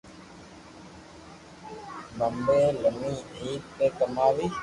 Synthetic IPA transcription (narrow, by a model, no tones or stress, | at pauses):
məmbeːləmĩːiːtt̪eːkəmaːʋiː